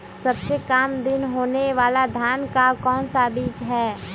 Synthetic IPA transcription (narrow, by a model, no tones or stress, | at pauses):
sɐbsekaːmd̪ɪnɦoːneʋaːlad̪ʱjaːnkakɔːnsabiːt͡ʃɦɛː